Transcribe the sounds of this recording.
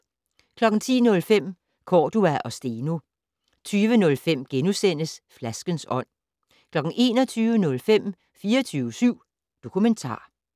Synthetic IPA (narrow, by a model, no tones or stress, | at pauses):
kʰlɒ̽ɡ̥n̩t͡sʰḭːnɔ̽lfem̰ | kʰɒːd̥uæʔɒ̽sd̥e̝ːno̝ | t͡sʰyːʋənɔ̽lfem̰ɡ̥enusen̰əsflæsɡ̥ənsɒ̽n̰ | kʰlɒ̽ɡ̥n̩e̝ːnɒ̽t͡sʰyːʋənɔ̽lfem̰ | fiːɐt͡sʰyːʊəsyʊ̰ | d̥o̝kʰument͡sʰɑ̰̈ː